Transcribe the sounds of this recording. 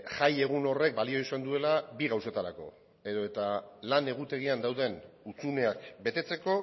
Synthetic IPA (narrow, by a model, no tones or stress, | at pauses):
ʝaje̞ɣ̞uno̞re̞k̚balio̞isend̪ue̞labiɣawse̞t̪aɾa̰ko̞̰ | e̞ðo̞e̞t̪alane̞ɣ̞ut̪e̞ɣ̞iand̪awðe̞nut͡sune̞akbe̞t̪e̞t͡se̞ko̞